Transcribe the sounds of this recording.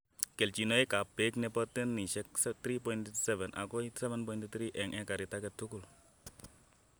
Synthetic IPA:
kɛ˨lt͡ʃi˨no˦jka˨pe˦knɛ˦pɔ˦tɛ˦nːi˨ʃɛ˦kst̪ɾi˦pɔ˦jintsɛ˦vɛ˨nʔa̰˨kɔ˦sɛ˦vɛ˦npɔ˦jĩntt̪ɾi˦ʔɛ˨ŋʔɛ˦ka˨ɾi˨ta˦kɛ˦tːu˦ku˨l

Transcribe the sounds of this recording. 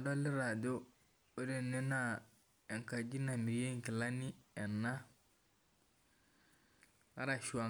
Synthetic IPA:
dɔ˦li˦ɾa˨do˦ | e˦de˨ni˦na˦˨ | e˨ŋka˨d͡ʒi˦na˨mi˨je˦ŋki˨la˦ni˦ɛ˨nːa˦ | a̰˦ɾa˨ʃu˨a˨

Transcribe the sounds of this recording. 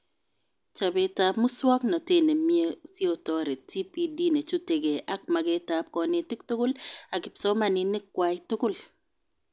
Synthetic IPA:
t͡ʃa˨be˨˦ta˦pmʊ˦swɔ˦knɔ˨te˦ne˨mie˦si˦o˨tɔ˦ɾe˨ti˦pi˦di˦ne˨t͡ʃu˦te˨ɡe˨ʔa˦k̚ma˨ɡe˦ta˦p̚kɔ˨nɪ˨ti˦k̚tʊ˦kʊ˦la˨kɪ˨psɔ˦ma˦˨nɪ˦nɪ˦kwa˦ɪtʊ˦kʊ˦˨l

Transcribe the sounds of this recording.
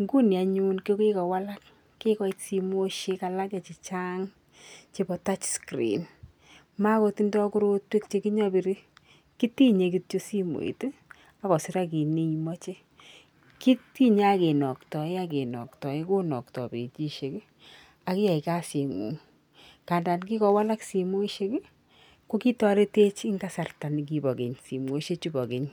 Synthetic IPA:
ŋɡu˦nja˨ɲu˦nke˦ke˦kɔ˨wa˦la˦kː | e˦kɔ˦i˦tsi˧mo˦ʃe˧ka˧la˦ka˨t͡ʃi˨t͡ʃa˦ŋ | t͡ʃe˦bɔ˨˧ta˦t͡ʃskɾḭ˨n | ma˦kɔ˧ti˦ndɔ˦ku˦ɾo˦twe˦kt͡ʃe˦ki˦ɲɔ˦bi˧ɾi˦ | ki˦ti˦ɲe˧ki˦tt͡ʃo˦si˦mo̰˨ḭ˨t | a˦kɔ˨sɪ˦ɾa˦ki˨ni˦imɔ˦t͡ʃe˦ | ki˦ti˦ɲa˦a˦ke˨nɔ˨ktɔ˨ɪ˦a˦ke˨nɔ̰˨ktɔ˨ɪ˦ko˦nɔ˨ktɔ̰˨bḛ˨t͡ʃi˦ʃe˨k | a˨kɪ˦ja˨i˨ka˦sje˨ŋṵː˨ŋ | ka˨nda˨nk̬i˦kɔ˨wa˦la˦ksi˨mo˦i˦ʃe˦k | ko˦ki˦tɔ˦le˦te˦t͡ʃɪ˦ŋɡa˦sa˨rta˨ni˨k̬i˨bɔ˨ɡe˨ɲsi˨mo˨˦i˦ʃe˦t͡ʃu˦bɔ˨ke˨ɲ

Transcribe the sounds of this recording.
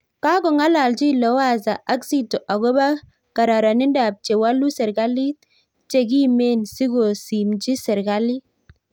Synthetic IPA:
ka˦ɡɔ˨ŋa˦la˨ld͡ʒi˦˨lɔ˨˦wa˦˨za˨ʔa˦ksi˦tɔ˨ʔa˨ɡo˦ba˦ | ka˨ɾa˨ɾa˨ni˦nda˨p̚t͡ʃe˨wa˦lu˦sɛ˨ɾɡa˦li˦ | t͡ʃe˨ɡi˦me˦˨nsi˦ɡo˨si˨md͡ʒi˦sɛ˨ɾɡa˦li˦

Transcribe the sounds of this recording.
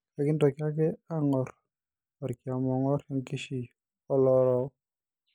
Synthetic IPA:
lɛ˦kɪ˦ndɔ˨kja˦kɛ˦a˦ŋɔɾ | ɔ˨ɾkja˨mɔ˨ŋɔ˦ɾjɔ˦ŋki˦ʃi˨ | ɔ˦lɔlɔ˦

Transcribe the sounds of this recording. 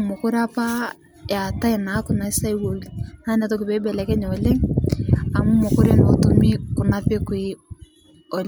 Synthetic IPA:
mo˨ko˦ɾa˦pa˦ | ja˨ta˦ɛ˨na˨˦ku˨na˨˦sa˦i˦wo˨lina˦nɛ˨to˦ke˨βɛ˦bɛ˨lɛ˨kɛ˦ɲ˨ɔ˨le˦ŋ | a˨mu˦mo˨ko˦ɾe˦n˨ɔ˨to˦mi˦kʊ˨na˦pe˦kwe˦ | ɔ˨l

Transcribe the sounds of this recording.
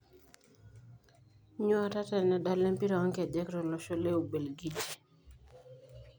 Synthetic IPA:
ɲo˦a˨ta˦tɛ˨nɛ˨da˦˨le˦mpi˦ɾɔ˨ɔ˦ŋkɛ˨dɛ˦kɾɔ˨lɔ˨ʃo˦le˦o˨be˨lɡi˦d͡ʒe˨

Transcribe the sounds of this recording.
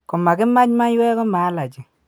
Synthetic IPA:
kɔ˨ma˨kɪ˦ma˦t͡ʃma˦ɲwɛ˦kɔ˦ma˨˦la˨t͡ʃɪ˨

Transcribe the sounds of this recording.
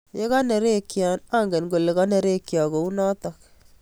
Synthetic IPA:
je˦kɔ˦ne˨ɾe˦kja˨na˦ŋɡe˨nɡo˨le˨kɔ˦ne˨ɾe˦kjɔ˨ko˨u˦nɔ˦tɔ˨k

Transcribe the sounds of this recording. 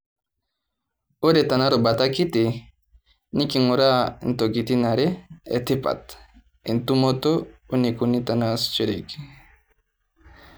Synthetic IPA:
o˦ɾe˨ta˨na˦ɾo˨ba˨ta˦ki˦ti˨ | ni˦ki˨ŋo˨ɾa˦˨n˦to˨ɡi˨ti˦na˨ɾe˦ḛ˨ti˦pa̰˨t | i˨ntu˦mo˦to˦u˦ni˨ku˨˦ni˦ta˨nast͡ʃu˦ɾḛ˨ki̥

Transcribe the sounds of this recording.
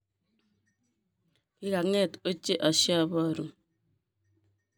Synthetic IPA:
i˦ɾa˨ŋɛ˦˨to˦t͡ʃːe˦ʔa˨ʃja˦βa˦˨ɾu˨

